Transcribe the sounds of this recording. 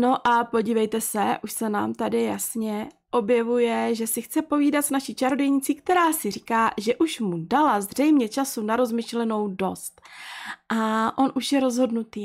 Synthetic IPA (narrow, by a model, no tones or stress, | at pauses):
no̞ʔapo̞ɟiːvɛjt̪ɛsɛʔuʃsɛna̰ːmt̪adɪjasɲɛ | ʔo̞bjɛvujɛʒɛsɪxt͡sɛpo̞viːdat̪snaʃiːt͡ʃaɾodɛjɲɪt͡sɪkt̪ɛɾaːsɪriːkaːʒɛʔuʃmudalazr̝ɛjmɲɛt͡ʃasunaɾo̞zmɪʃlɛno̞wdo̞st̪ʔaʔo̞nʔuʃjɛɾo̞zɦo̞dnut̪iː